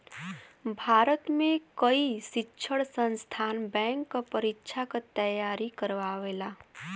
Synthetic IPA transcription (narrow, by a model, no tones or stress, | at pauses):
bʱaːɾət̪mẽkəisɪtːʃʰəɽsə̃nst̪ʰaːnbɛ̃ːŋkːapəɾɪtːʃʰakat̪əjaːɾikəɾʋaːʋeːlaː